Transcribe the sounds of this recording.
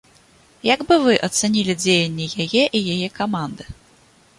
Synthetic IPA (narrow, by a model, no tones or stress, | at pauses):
jaɡbɨvɨʔɐt̪sanʲilʲid͡zʲejɐnʲːɛjajɛʔijajɛkamand̪ɨ